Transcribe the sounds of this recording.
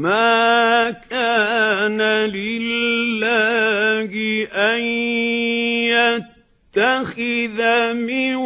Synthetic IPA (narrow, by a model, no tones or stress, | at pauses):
maːkʰaːnalɪlːaːɡɪʔan | jatt̪ːaxɪðamɪ